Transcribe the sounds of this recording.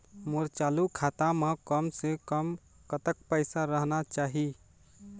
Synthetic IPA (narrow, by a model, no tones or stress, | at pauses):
moɾt͡ʃalukʰat̪amẽkəmsekəm | kət̪əkpəɪsaɾəɦnat͡ʃaɦi